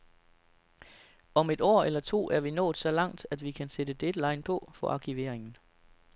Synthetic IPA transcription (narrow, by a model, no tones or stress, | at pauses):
ɒ̽me̝d̥ɒ̰ːelɐt͡sʰo̝̰ːʔæɐʋinɔ̰̽ːd̥ˠsɒ̽lɑ̈ŋ̰d̥æd̥ʋikʰænsed̥əd̥ed̥əlɑ̈ɪnpʰɒ̽fɒ̽ʔɑ̈kʰiʋe̝ɐ̰eŋn̩